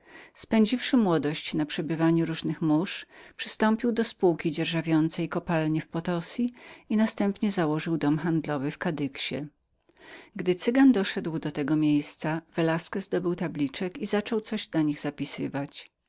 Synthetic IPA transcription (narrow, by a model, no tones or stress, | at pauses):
spɛɲd͡ʑifʂɘmwɔd̪ɔɕt͡ɕnapʂɛbɘvaɲuɾuʐnɘxmuʂpʂɘ̥st̪ɔmpʲiwd̪ɔspuwkʲid͡ʑɛɾʐavʲjɔnt̪sɛjkɔpalɲɛfpɔt̪ɔsʲiinast̪ɛmpɲɛzawɔʐɘwd̪ɔmxand̪lɔvɘfkad̪ɘkɕɛ̰ | ɡd̪ɘt̪sɘɡand̪ɔʂɛd̪wd̪ɔt̪ɛɡɔmʲjejst̪savɛlaskɛzd̪ɔbɘwt̪ablʲit͡ʂɛkizat͡ʂɔwt̪sɔʑd̪aɲiɣzapʲisɘvat͡ɕ